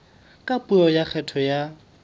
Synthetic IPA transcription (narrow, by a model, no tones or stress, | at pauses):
kʼapʼuɔjak͡xʰɛtʰɔja